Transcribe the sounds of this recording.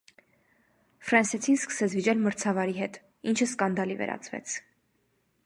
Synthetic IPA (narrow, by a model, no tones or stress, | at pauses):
fɾɑnsɛt͡sʰinskə̥sɛt͡sʰvit͡ʃɛlməɾt͡sʰɑvɑɾiɦɛt̪ | int͡ʃʰəskɑnd̪ɑlivɛ̰ɾʔɑ̰t͡sʰvɛ̰t͡sʰ